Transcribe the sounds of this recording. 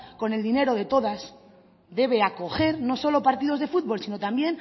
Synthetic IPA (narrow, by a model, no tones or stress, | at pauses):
ko̞ne̞ld̪ine̞ɾo̞ð̞e̞t̪oð̞as | d̪e̞β̞e̞ako̞xe̞ɾno̞so̞lo̞paɾt̪iðo̞zðe̞fut̪̚βo̞lsino̞t̪ambje̞n